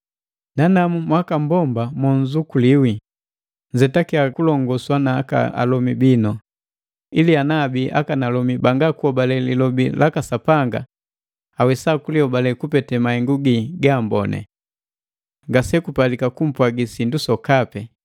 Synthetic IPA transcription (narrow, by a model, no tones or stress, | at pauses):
nanamumwakambɔmbamwɔnzukuliwi | ɲzɛtakiakulɔŋɡɔswanaːka̰a̰lɔmibinɔ | ilianabiʔa̰kanalɔmibaŋɡakuɔbalɛlḭlɔbilakasapaŋɡa̰ | awɛsakuliɔbalɛkupɛtɛmaɛŋɡuɡiɡaːmbɔnɛ̰ | ŋɡasɛkupalikakum̩pwaɡisindusɔkapɛ